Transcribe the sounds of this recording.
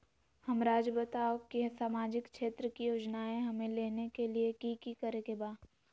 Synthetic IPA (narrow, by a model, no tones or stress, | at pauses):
hɐmɾaːd͡ʒbɐt̪aokisaːmaːd͡ʒɪkʃeːt̪ɾəkijoːd͡ʒnaẽɦɐmẽleːnekeliekikikɐɾekebaː